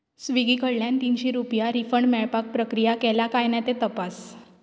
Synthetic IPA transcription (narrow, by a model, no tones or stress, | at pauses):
sʋiɡikəɽljãnt̪inɕiɾupjaɾifəɳɖmɛɭpak̚pɾəkɾijakɛlakajnat̪et̪əpas